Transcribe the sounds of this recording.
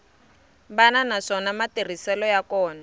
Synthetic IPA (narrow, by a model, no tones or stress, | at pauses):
bananaʂɔnamater̤isɛlɔjakɔːna